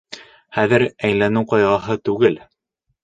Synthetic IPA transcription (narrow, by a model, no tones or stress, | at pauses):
χæðɘɾæjlænɘwqɑjʁɑɦɤt̪ʉɡɘl